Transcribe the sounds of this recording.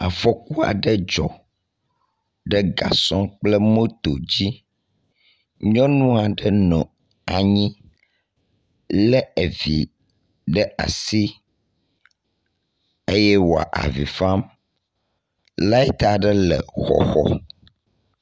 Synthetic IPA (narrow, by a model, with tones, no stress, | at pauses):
a˨fɔ˦ku˦a̰˨ɖə˦d͡ʒɔ̰˨ | ɖə˦ɡa̰˨sɔ̃˦k͡plə˦mõ˦t̪o˨d͡ʑi˦ | ɲɔ̃˦nũ˦a˨ɖə˦nɔ̃˨ | a˨ɲĩ˦ | lɛ˦e˨vi˨ | ɖə˦a̰˨si˦ | e˦jɛ˦wo˨a̰˨ʔa̰˨vi˨fã˦m | la˦ɛ˦t̪a˨ɖə˦lə̰˨xɔ̰˨xɔ̰˦